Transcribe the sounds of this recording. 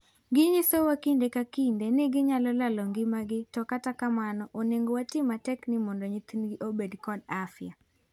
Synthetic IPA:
ɡɪɲɪsowakindekakindenɪɡɪɲalɔlalɔŋɡɪmaɡɪtɔkatakamanɔʔoneŋɡowatɪmatɛknɪmɔndɔɲit̪inɡɪʔobedkɔdafja

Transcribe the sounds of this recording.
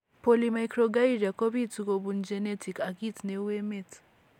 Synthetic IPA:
polimajkɾoɡaiɾiakoβitikoβund͡ʒenetʰikakitinewemet

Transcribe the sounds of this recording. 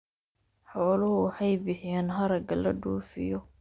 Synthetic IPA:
ħɔːlʊhʊwħɑjbɪħɪjɛːnɦɐɾɐɡɐlɐ̰ɖuːfɪ̰jɔ

